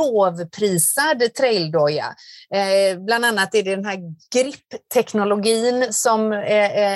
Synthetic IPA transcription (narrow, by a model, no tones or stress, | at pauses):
oːvpʰɾiːsad̪t̪ʰɾɛɪld̪ɔja̰ | bland̪anːat̪ːæɖɛd̪ɛnɦæːɾɡ̥ɾɪpːt̪ʰɛknʊlʊɡiːnsɔm